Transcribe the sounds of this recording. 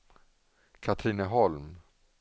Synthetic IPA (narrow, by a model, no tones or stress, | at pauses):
kʰat̪ʰɾiːnəɦɔlm